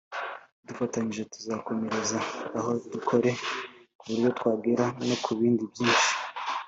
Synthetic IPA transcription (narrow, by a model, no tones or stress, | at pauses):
dufataɲiʒe̞tu̥zako̞me̞ɾezaːɦo̞dukʰo̞ɾe̞ | kuβuɾjo̞twaːɡiɾano̞kʰuβiːndibjiːnʃi̥